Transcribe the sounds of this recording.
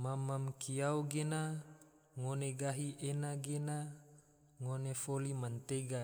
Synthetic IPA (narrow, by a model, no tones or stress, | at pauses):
mamamkiawɡena | ŋoneɡaɦiʔenaɡena | ŋonefolimant̪eɡa